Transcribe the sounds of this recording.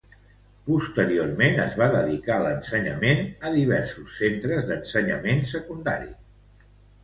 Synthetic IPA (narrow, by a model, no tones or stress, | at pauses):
pust̪əɾiormenəzβaðəðikalənsəɲə̰menəðiβ̞ɛɾsusːent̪ɾəzðənsəɲə̰mensəkund̪a̰ɾḭ